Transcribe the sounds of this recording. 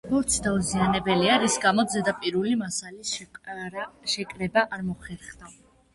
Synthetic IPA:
ɔɾt̪sʰd̪auzianɛbɛliaɾisɡamɔd̪zɛd̪apʼiɾulimasalis | ʃɛkʼɾɛbaʔaɾmɔχɛɾχd̪a

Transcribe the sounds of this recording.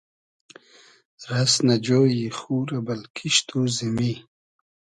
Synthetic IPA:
ɾasnad͡ʑoːjixuːɾabɐlkʰiʃt̪ʰuzimi

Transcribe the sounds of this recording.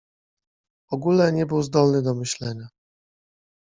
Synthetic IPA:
ɔɡulɛɲɛbɘwzd̪ɔlnɘd̪ɔmɘɕlɛɲa

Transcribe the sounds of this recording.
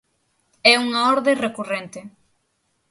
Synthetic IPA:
ɛuŋaɔɾðerekurent̪ɪ

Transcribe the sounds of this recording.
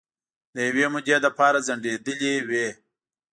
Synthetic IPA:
d̪əjawemʊd͡ʒed̪əpɑːɾazɐɳɖed̪əlewe

